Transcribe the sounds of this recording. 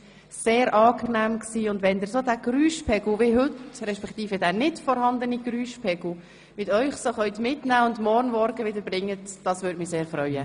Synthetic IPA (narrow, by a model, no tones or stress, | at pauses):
seːɾʔɑːknæːmksiːʊndʋɛnd̪ɪɾsoːdæɡ̥ɾyːʃpʰɛɡl̩ʋɪɦʏtɾɛʃpɛkt̪iːfədæːnɪtfɔɾhɑnd̪əniɡ̥ɾyːʃpʰɛɡ̥l̩ | mɪtœʏχsoχœʏt̪mɪtnæːʊndmɔɾnmɔɾɡəʋɪdəɾbɾɪŋːətd̥ɑsʋʏɾtmɪseːɾfɾœʏə